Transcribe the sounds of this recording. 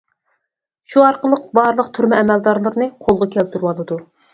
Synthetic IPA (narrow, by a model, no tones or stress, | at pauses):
ʃuɑɾqəlˠəq̚bɑɾlˠəqt̪ʰyɾmɛɛmɛld̪ɑɾlˠəɾnɨqʰolˠʁɑkʲʰɛlt̪ʰyɾwɑlˠɨd̪u